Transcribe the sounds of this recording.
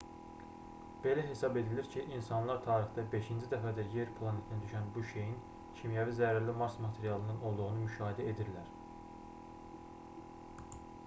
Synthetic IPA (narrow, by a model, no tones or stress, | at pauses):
b̥e̞læɦe̞sɑbe̞d̪iliɾcʰiʔinsɑnlˠɑɾt̪ʰɑːɾixd̪ɑbe̞ʃind͡ʒid̪æfæd̪æɾje̞ɾpʰlˠɑne̞t̪ʰinæd̪yʃænbuʃe̞jin | cʰimjævizæɾɾlimɑɾsmɑt̪ʰe̞ɾijɑlˠɯnɯno̞lˠd̪uɣunumyʃɑːɦed̪æe̞d̪iɾlæɾ